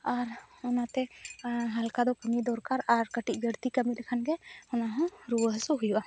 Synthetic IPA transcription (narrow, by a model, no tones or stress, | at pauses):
aɾunat̪ɛɦalkad̪ɔkəmid̪ɔɾkaɾaɾkəʈic̚bʱjəɾt̪ikəmilɛkʰanɡɛhɔnaɦɔ̃ɾuwəɦsɔɦujuʔa